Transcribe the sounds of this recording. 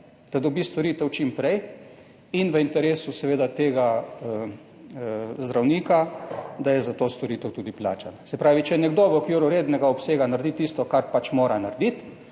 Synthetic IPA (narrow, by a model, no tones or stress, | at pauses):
d̪̥ad̪ɔbist̪ɔɾiːt̪ɛwt͡ʃimpɾɛj | inʋəint̪ɛɾeːsusɛʋeːd̪at̪eːɡaə | zd̪ɾawniːkad̪ajɛzat̪ost̪oɾit̪ɛwt̪uːd̪ipla̰ːt͡ʃansɛpɾaːʋit͡ʃɛnɛɡd̪oːʋəkuɾɔɾeːd̪nɛɡaɔpseːɡanaɾd̪it̪ist̪ɔkaɾpat͡ʃmoːɾanaɾd̪it̪